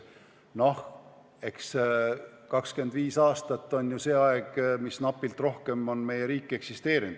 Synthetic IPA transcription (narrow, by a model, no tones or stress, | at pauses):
no̞h | e̞ks | kɑkske̞nd̪viːsɑːst̪ɑt̪ˑːo̞nʲjuse̞ːɑeɡ̥misnɑpːˑilt̪ro̞hke̞mo̞nme̞je̞ɾiːkːe̞ksist̪e̞ːɾind̪̥